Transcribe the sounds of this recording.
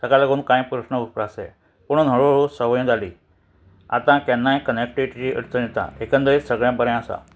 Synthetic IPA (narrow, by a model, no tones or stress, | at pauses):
səɡalaɡuːnkãj̃pɾəsnəupɾasḛ | puɳ̤̃nɦəɭoɭusəʋəjũd͡zʱaliː | a̰t̪ãkɛnːajkənek̚ʈiʋiʈit͡ɕiʔə̰ɾt̪ʰənet̪ã̰ekə̃nt̪əɾet͡ssəɡɭjãbəɾjãəsa̰